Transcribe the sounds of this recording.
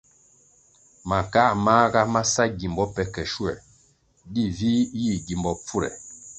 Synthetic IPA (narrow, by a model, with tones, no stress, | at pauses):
ma˨ka˦˨ma˦ɡa˦ma˦sa˦ɡi˨mbɔ˦pɛ˨kɛ˨ʃu˦ɛ̰˨ | ɗi˦vi˦ji˦˨ɡi˨mbɔ˨p͡fu˦ɾɛ̰˨